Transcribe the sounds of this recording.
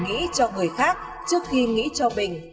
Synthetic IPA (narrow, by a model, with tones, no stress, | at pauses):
ŋḭ˧˥t͡ɕɔ˧ŋɨ˨˩əjxaː˦˥k̚ | t͡ɕɨ˦˥ək̚xi˧ŋḭ˧˥t͡ɕɔ˧ɓï˨˩ŋ̟